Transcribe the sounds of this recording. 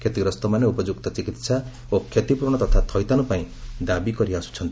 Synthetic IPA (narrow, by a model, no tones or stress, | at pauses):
kʰet̪iɡɾʌst̪ɔmaneupʌd͡zuk̚t̪ʌt͡sikit̪sʰa | okʰːet̪ipurɳʌt̪ʌt̪ʰat̪ʰʌjt̪anupaĩd̪abikʌɾiasu̥t͡sʰʌnt̪